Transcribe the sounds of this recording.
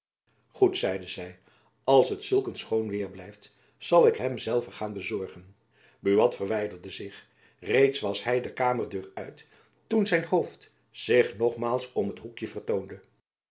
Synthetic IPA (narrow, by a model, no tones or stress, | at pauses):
χutsɛjdəzɛj | ɑlˠsɦətsɵlˠkənsχownʋɪːɹblɛjft | z̥ɑlˠɪkɦɛmzɛlˠvəχaːnbəzɔɹχən | byʋɑtfərʋɛjdəɹdəzɪχ | rejtsʋɑsɦɛjdəkaːməɹdøːrœ̰ɥt | tunzɛjnhowft | z̥ɪχnɔχmaːlˠsɔmɦətɦukjəvərtowndə